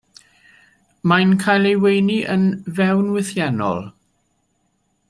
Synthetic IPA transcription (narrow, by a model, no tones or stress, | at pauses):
majnkʰajlˠewejniʔənvɛwnwɪθjɛnɔ̰lˠ